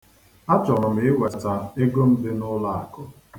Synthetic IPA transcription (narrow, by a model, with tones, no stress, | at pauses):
a˦t͡ʃɔ˨ɾɔ˨m̩ɪ˨ɪ˦wa˨ta˦e˦ɡo˦n̩˦dɪ˦nʊ˦la˦˨a˨kʊ˦